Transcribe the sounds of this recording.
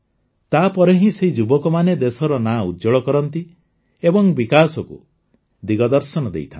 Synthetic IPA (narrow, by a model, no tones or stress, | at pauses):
t̪apɔɾeɦĩseɦid͡ʒubɔkɔmaned̪esɔɾɔnaṵd̪d͡ʒɔɭɔkɔɾɔnt̪i | ebɔŋbikasɔkṵ | d̪iɡɔd̪ɔɾsɔnɔd̪ḛjt̪ʰã